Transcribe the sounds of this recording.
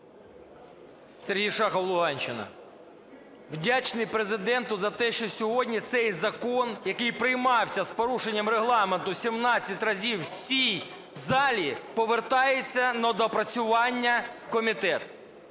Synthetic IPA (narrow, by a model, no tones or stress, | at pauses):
seɾɦijʃɑxɐlˠʊɦɑnʲt͡ʃɪnɐ̰ | wdʲat͡ʃnɪjpɾezɪd̪ɛnt̪ʊzɐt̪ɛʃt͡ʃɔsʲɔɦɔdʲnʲit̪sɛjzɐkɔnjɐkɪjpɾɪjmɑwsʲɐspɔɾuʃenʲːɐmreɦlˠɑment̪ʊsʲimnɑt͡sʲːɐtʲrɐzʲiwt͡sʲij | zɑlʲipɔʋert̪ɑjet͡sʲːɐnɐd̪ɔpɾɐt͡sʲʊʋɑnʲːɐwkɔmʲit̪ɛt̪